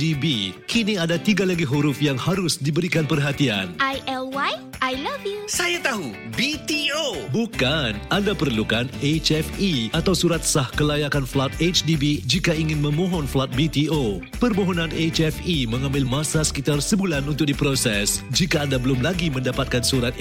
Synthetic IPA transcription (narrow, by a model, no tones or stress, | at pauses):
dibikʰiniadat̪iɡalaɡiɦuɾʊfjaŋhaɾʊsdibəɾikanpərɦat̪ia̰nʔajɛlwaj | ʔajlavjusajat̪aɦu | bit̪iobukanʔandapərlukanet͡ʃɛfiat̪awsuɾat̪̚sahkəlajakanflat̪̚et͡ʃdibid͡ʒikaiŋɪ̃nmə̃mɔ̃ɦɔnflat̪̚bit̪io | pərmoɦɔnãnet͡ʃɛfimə̃ŋãmbɪlmãsasə̥kit̪arsəbulanunt̪ʊk̚dipɾosɛsd͡ʒikaːndabəlʊmlaɡimə̃ndapat̪̚kansuɾat̪̚